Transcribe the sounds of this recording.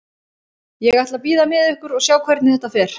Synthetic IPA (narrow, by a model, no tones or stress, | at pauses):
jɛɣajt̪lapiːðamɪðʏhkʏɾɔɣsjaːwkʰvɛɾt̪nɪθɛt̪afɛːɾ̥